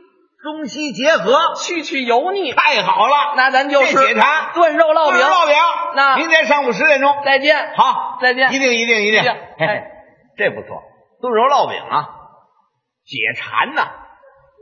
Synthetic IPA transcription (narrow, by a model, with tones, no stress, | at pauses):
ʈ͡ʂʊ˥ŋɕi˥t͡ɕjɛ˧˥xɤ˧˥t͡ɕʰy˥˧t͡ɕʰy˥˩jo˧˥ʊni˨˩tʰa˥˩ɪxɑ˨˩ʊlɐ˦˧na˥˩na˧˥nt͡ɕjo˥˧ʊʂ̩˥˧ɛ˨˩ʈ͡ʂʰa˧˥nt̪wə˥˧nɻo˥˧ʊlɑ˥˩ʊpi˨˧˥lɑ˥˩ʊpji˧˩˦na˥˩i˧˥ŋka˥ʂɑ˥˩ŋu˨˩ʂ̬ɻ̩˧˥ɛ˥nʈ͡ʂʊ˥ŋt͡sa˥˧ɪt͡ɕjɛ˥˩nxɑ˧˥ʊt͡sa˥˧ɪt͡ɕjɛ˥˩˧t̪i˥˩ŋi˧˥t̪i˥˩ŋi˧˥t̪i˧˥˧i˥˧˩ŋe˥˩ | ʈ͡ʂe˥˩ɪpṵ˧˥t͡sʰwɔ̰˥˩ | t̪wə˥˧nɻo˥˧ʊlɑ˥˩ʊpḭ˨˩ŋlɐ̰˦ | t͡ɕjɛ̰˨˩ʈ͡ʂʰa̰˧˥nnə˧